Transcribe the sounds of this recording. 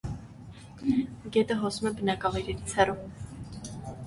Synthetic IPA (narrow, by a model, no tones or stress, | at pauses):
ɡɛt̪əɦɔsumɛbənɑkɑvɑjɾɛɾit͡sʰhɛru